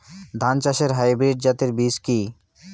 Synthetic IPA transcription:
d̪ʱant͡ɕaʃeɾɦajbɾiɖ̚d͡ʑat̪eɾbiski

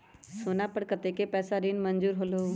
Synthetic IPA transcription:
soːnapəɽkət̪ekepɛːsaɾiːnmənd͡ʒuːɾɦoːlo

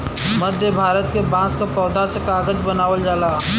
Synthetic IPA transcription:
məd̪ʱjəbʱaːɾət̪kebãːskapɔːd̪asekaːɡəd͡ʒbənaːʋəld͡ʒaːlaː

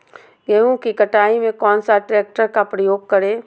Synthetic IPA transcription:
jɛɦũkikɐʈaːimẽkɔːnsaʈɾeːk̚ʈəɾkapɾəjoːɡ̚kɐɾeː

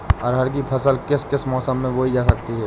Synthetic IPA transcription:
ɔːɾɦɐɾk̬ipʰɐsəlkɪskɪsmɔːsəmːẽʋoɦid͡ʒaːsɐk̚t̪iɦɛː

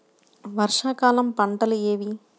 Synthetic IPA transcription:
ʋɐɾʂaːkaːlɐmpɐɳʈɐleːʋi

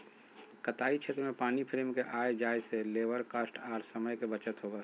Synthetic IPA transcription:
kət̪aːit͡ʃʰet̪ɾmẽpaːnipʰɾeːmkeʔaːjd͡ʒaːjseleːʋəɾkasʈaːɾsəməjkebət͡ʃət̪ɦobə

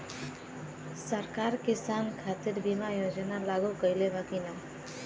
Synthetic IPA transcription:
səɾkaɾkisankʰat̪iɾbimajod͡ʒənalaɡukəilebakina

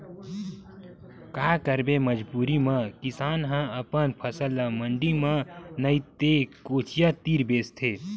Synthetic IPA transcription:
kakəɾbeməd͡ʒbuːɾimə̃kɪsaːnɦə̃əpənpʰəsəlːəməɳɖimə̃nəit̪ekoːt͡ʃʰijat̪iːɾbeːst̪ʰe

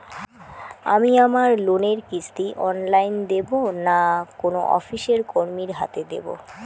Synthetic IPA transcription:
a̰miamaɾloneɾkit͡ɕʰt̪iʔɔnlajnd̪ebonakono̰ʔɔ̰fiʃeɾkoɾmiɾɦa̰t̪ed̪ḛbo̰

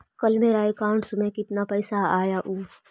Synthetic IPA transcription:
kɐlmẽɾaːekaːɳʈsʊmẽkɪt̪napɛːsaaːjaʔuː

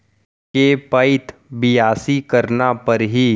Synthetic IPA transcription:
kepɐɪt̪ʰbɪjaːsikɐɾnapɐɾɦi

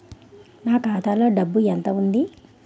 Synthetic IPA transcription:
naːkaːt̪aːlo̞ːɖɐbːuent̪ɐund̪i

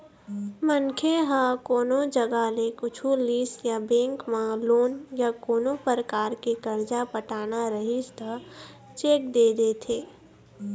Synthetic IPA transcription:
mənkʰeɦãkoːnõd͡ʒəɡalekʊt͡ʃʰuliːsjabẽːŋkmãloːnjakoːnõpəɾəkaːɾkikəɾd͡ʒapəʈaːnaɾəɦist̪a | t͡ʃeːk̚d̪eːd̪eːt̪ʰeː

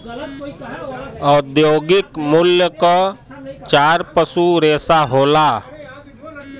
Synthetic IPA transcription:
ɔːd̪joːɡɪkmʊljəkat͡ʃaːɾpəsuɾeːsaɦoːlaː

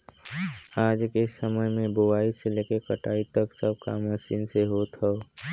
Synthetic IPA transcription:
aːd͡ʒkesəməjmẽbowaːiseleːkekəʈaːit̪əksəb̚ka̰məsiːnseɦoːt̪ɦɛo

